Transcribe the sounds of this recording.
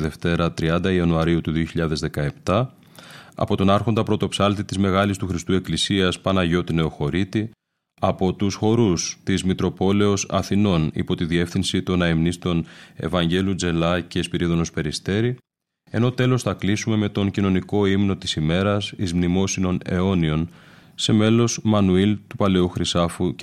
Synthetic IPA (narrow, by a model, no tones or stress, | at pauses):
ðe̞ft̪e̞ɾɐt̪ɾiɐnd̪ɐiɐnuɐɾiut̪uðioçiʎɐðe̞zðe̞kɐe̞pt̪ɐ | ɐ̰po̞t̪o̞nɐɾxo̞nd̪ɐpɾo̞t̪o̞psɐlt̪it̪izme̞ɣɐlist̪uxɾist̪ue̞klisiɐspɐnɐʝo̞t̪ine̞o̞xo̞ɾit̪i | ɐpo̞t̪usxo̞ɾust̪izmit̪ɾo̞po̞le̞o̞sɐ̰θino̞nḭpo̞t̪iðie̞fθinsit̪o̞nɐemnist̪o̞ne̞̰vɐɲɟe̞lud͡ze̞lɐce̞spiɾiðo̞no̞spe̞ɾist̪e̞ɾi | e̞no̞t̪e̞lo̞sθɐklisume̞me̞t̪o̞ɲcino̞niko̞imno̞t̪i̥sime̞ɾɐsizmnimo̞sino̞ne̞o̞nio̞nse̞me̞lo̞smɐnuilt̪upɐle̞uxɾisɐfu